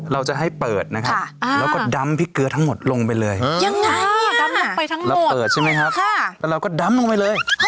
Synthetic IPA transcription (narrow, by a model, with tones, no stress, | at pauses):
ɾa˧wt͡ɕa˨˩ɦa˥˩jjpɤː˨˩t̪̚na˦˥kʰa˦˥pːlɛː˧wkɔː˥˩da˦˥mpʰiː˥˩kɯ˧ət̪ʰa˦˥ŋmo˨˩t̪̚lo˧ŋpa˧jlɤː˧jja˧ŋːa˧ji˥˨kʰa˦˥a˨˧˩pa˧jt̪ʰa˦˥ŋɾa˧wo˨˩pɤː˨˩t̪̚t͡ɕʰa˥˩jma˦˥jkʰa˦˥kʰa˧˥˩ɛː˧˩ɾa˧wkɔː˥˩da˧˦˥mlo˧ŋpa˧jlɤː˧j